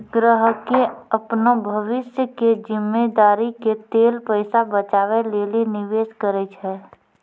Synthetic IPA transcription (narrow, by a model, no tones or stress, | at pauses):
ɡɾəɦkeəpnobʱəʋɪsjəked͡ʒɪmːed̪aːɾiket̪eːlpəɪsabət͡ʃaːʋeleːlinɪʋeːskəɾɛt͡ʃʰɛː